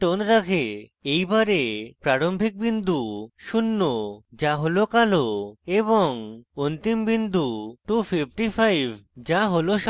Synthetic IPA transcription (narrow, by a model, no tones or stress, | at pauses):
ʈonɾakʰeejbaɾepɾaɾombʱik̚bind̪uʃunːod͡ʑaɦolokaloeβoŋont̪imbind̪uʈufʰipʰʈifʰajbʱd͡ʑaɦoloʃ